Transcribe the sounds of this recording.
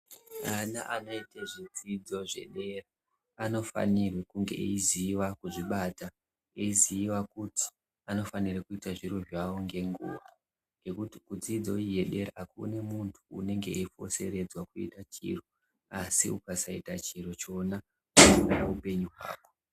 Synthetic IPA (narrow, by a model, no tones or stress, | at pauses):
ana̰ʔanoiteʐid͡zid͡zo̞ʐe̞̰ɗe̞raː | no̞fa̰nirwekuŋɡe̞̰ʔḛiziːʋakuʐiɓata | eiziːwakuti̥ | ano̞fanirekuitaʐiroʒwaoŋɡe̞ŋɡṵːʋa̰ | ŋɡe̞kutikud͡zid͡zo̞ije̞ɗe̞ɾaakṵne̞muntʰṵːne̞ŋɡeeifo̞̰se̞̰ɾe̞d͡zwakuḭtat͡ʃḭro | asḭukasaitat͡ʃiɾot͡ʃo̞na | ukuɾaaupe̞ɲuɦwa̰ːko̞